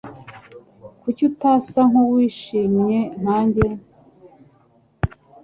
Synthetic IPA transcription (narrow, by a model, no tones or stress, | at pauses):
kucutasaŋ̥howiːʃiːmɲe̞n̥haːɲɟe